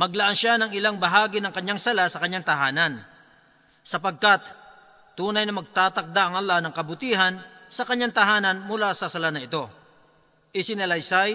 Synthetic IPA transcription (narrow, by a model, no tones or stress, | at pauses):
mɐɡlɐʔanʃanɐŋɪlaŋbɐɦaːɡɪnɐŋkɐɲːaŋsɐlasɐkɐɲːaŋt̪ɐɦaːnɐn | sɐpɐɡ̚kat̪ | t̪ːuːnɐjnɐmɐɡ̚t̪aːt̪ɐk̚d̪aʔɐŋɐlːanɐŋkɐbʊt̪iːɦɐnsɐkɐɲːaŋt̪ɐɦaːnɐnmʊlasɐsɐlanɐɪt̪o̞ | ʔɪsɪnɐlɐjsaj